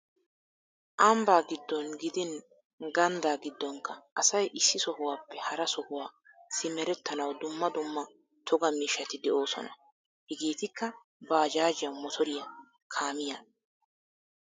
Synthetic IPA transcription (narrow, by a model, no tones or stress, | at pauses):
ʔɐmbaːɡɪd̪ːɔnɡɪd̪ɪn | ɡɐnd̪aːɡɪd̪ːɔŋkːɐʔɐsɐjʔɪsːɪsɔhʊwaːpːɛhɐɾɐsɔhʊwaː | sɪmɛɾɛt̪ːɐnɐwd̪ʊmːɐd̪ʊmːɐ | t̪ʰɔɡɐmiːʃːɐt̪ɪd̪ɛʔo̞ːsɔ̰nɐ̰ | hɛɡiːt̪ɪkːɐ | baːd͡ʒaːd͡ʒɪjɐwmɔt̪ʰɔɾɪjɐ | kʰaːmɪjaː